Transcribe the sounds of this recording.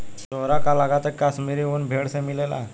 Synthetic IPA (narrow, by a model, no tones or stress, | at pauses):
soɾakalaɡat̪əkːasmiɾiuːnbʱeɽsẽmilela̰